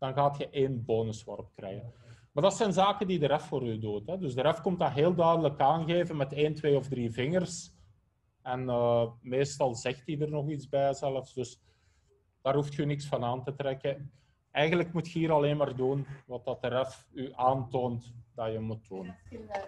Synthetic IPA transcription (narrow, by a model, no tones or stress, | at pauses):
d̥ɑnɣaːtxəʔeːnboːnəswɔ̰rɔp̚krɛ̰ːjɣənmaːrdɑtsɛjnzaːkəndidəɾɛfːoːɾydutɦɛdɵzdəɾɛfkɔmtaːɦeːlˠdœɥdələkaːnɣeːvənmɛteːntweːɔvdriːvɪŋərs | ɛnəːmeːstɑlˠzɛxtidərnɔxitzbɛjəzɛləfsd̥ɵs | d̥aːrɦuftxynɪksfɑnaːntətrɛkə | ɛjɣənləkmutxəiːɾɑleːnmaːrdunʋɑt̚ɑtəɾɛfyʔaːntoːntdɑjəmut̚duːn